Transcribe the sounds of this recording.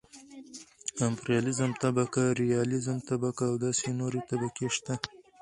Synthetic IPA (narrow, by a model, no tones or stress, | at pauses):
ampɾijɑlɪzəmt̪abakaɾijɑlɪzəmt̪abakaːwd̪ɑsenoɾet̪abakeʃt̪a